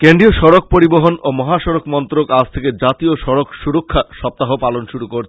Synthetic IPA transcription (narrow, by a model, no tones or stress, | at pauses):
keɳɖioʃɔɾok̚poɾiboɦonomɔɦaʃɔɾokmɔnt̪ɾokad͡ʑt̪ʰeked͡ʑat̪ioʃɔɾokʃuɾokʰːaʃɔp̚t̪aɦopalonʃuɾukoɾt͡ɕʰe